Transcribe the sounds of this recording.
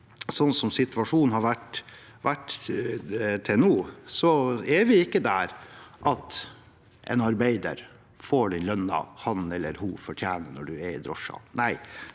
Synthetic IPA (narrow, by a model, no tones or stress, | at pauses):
sɔnsɔmsɪt̪ʰʋɑʂuːnnhɑɾʋæʈ | ʋæʈː | t̪ʰɛnuːsɔɛʋɪɪkːəd̪æɾʔɑt̪ | ʔɛ̰nɑɾbæɪd̪ə̰ɾ | foːɖɪlœnːɑ̰hɑnɛlːəɾhʊfɔʈʰjæːnənɔɖʉɛɾɪ̰d̪ɾɔʂɑ̰næɪ